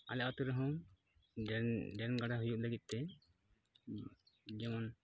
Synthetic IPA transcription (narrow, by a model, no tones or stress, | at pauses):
alɛʔɔt̪uɾəɦɔ̃ | ɖɛɾnɡaɖaɦujuʔ̚ləɡit̪̚ˀt̪ɛ | d͡ʒɛmɔn